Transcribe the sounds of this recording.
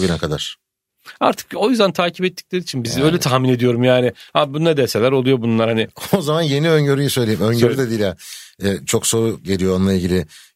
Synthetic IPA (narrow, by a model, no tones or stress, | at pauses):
ɡynɛkʰad̪aɾ̥ | a̰ɾt̪ʰɯ̥ko̞jyzd̪ænt̪ʰaːcʰipɛt̪ːi̥clʲe̞ɾit͡ʃʰinbizø̞jlʲɛt̪ʰahmine̞d̪ijo̞ɾumjaːnɪhabunːˠad̪ɛselʲæɾo̞lˠujo̞bunlˠaɾhanɪozamanje̞niø̞ɲɟøɾyjisø̞jlʲeimøɲɟøɾyd̪ɛd̪iːilʲjaɛːt͡ʃʰo̞kso̞ɾuɟelʲijoonlˠailʲɟilʲɪ